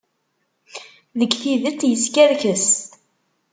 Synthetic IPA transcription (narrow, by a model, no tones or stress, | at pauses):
ðəɡθiðət͡sːjəskæɾçəst̪